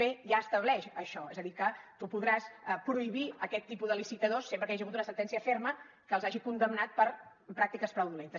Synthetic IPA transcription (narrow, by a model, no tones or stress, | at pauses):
eʒaəst̪əβlɛʃəʃɔɛzəðikət̪upuðɾasəpɾuiβiəkɛt̪ːipuðəlisit̪əðosːempɾəkaʒiəɣut̪unəsənt̪ɛnsiəfermə | kəːlˠzaʒikund̪əmnat̪̚pəɾ | pɾak̚t̪ikəspɾəwðulent̪ə